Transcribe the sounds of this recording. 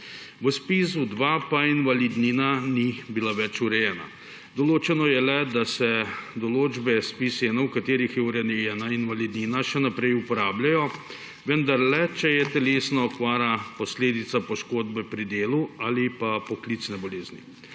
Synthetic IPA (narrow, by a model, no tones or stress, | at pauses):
ʋəspis̬ud̪ʋapainʋalid̪ninanibilaʋɛt͡ʃuɾɛjɛːna̰ | d̪ɔloːt͡ʃɛnɔjɛlɛd̪asɛd̪ɔloːd͡ʒbɛspisɛnɛwkat̪eːɾixjɛuɾɛnɛjɛːnainʋalid̪ninaʃɛnapɾɛjupɔɾaːblʲjajɔ | ʋənd̪aɾlɛt͡ʃɛjɛt̪ɛleːsnɔːkʋaːɾapɔsleːd̪it̪sapɔʃkoːd̪bɛpɾid̪eːluaːlipapɔklit̪snɛbɔleːzni